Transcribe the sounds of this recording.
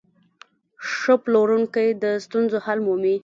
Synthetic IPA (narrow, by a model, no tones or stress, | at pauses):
ʂəploɾuŋkajd̪əst̪unzohalmumi